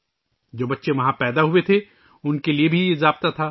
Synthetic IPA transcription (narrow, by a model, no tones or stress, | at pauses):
d͡ʒoːbɐtːʃeʋɐɦãpɛːd̪aɦuet̪ʰe | ʊnkeliebʱiɪzaːbt̪at̪ʰaː